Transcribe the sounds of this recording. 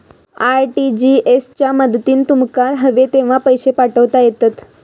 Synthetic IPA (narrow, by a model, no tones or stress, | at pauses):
aɾʈid͡ʑiest͡ɕjaməd̪t̪iːnt̪umkaɾɦəʋet̪eʋ̤apəjɕepaʈəʋt̪ajet̪at̪